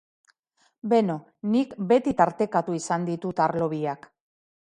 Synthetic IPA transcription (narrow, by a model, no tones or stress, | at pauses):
be̞no̞ | nikbe̞t̪it̪aɾt̪e̞kat̪uisand̪it̪ut̪aɾlo̞βiak